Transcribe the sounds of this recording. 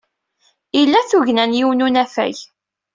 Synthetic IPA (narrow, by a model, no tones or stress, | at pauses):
ilːæθuʝnænjiwnunæfæ̰j